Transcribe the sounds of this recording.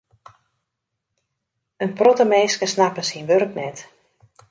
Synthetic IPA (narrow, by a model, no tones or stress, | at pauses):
ənprɔtəmeːskəsnapəsinʋørknɛt